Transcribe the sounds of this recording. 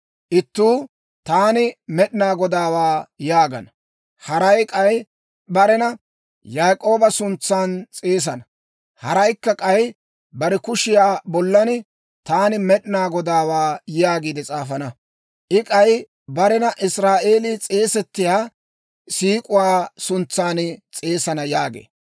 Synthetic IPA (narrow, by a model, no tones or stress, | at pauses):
ʔɪt̪ːuː | t̪aːnɪmɛɗɪnaːɡɔd̪aːwaːjaːɡɐ̰nɐ | hɐɾɐjkʼɐj | bɐɾɛnɐ | jaːkʼo̞ːbɐsʊnt͡sːaːnt͡sʼeːs̬ɐnɐ | hɐɾɐjkːɐkʼɐj | bɐɾɛkʊʃɪjaːbɔlːɐnɪ | t̪aːnɪmɛɗɪnaːɡɔd̪aːwaːjjaːɡiːd̪ɛt͡sʼaːfɐnɐ | ʔɪkʼɐj | bɐɾɛnɐʔɪsɾaːʔe̞ːlɪt͡sʼe̞ːsɛt̪ːɪjaː | siːkʼʊwaːsʊnt͡sːaːnɪt͡sʼe̞ːsɐnɐjaːɡḛː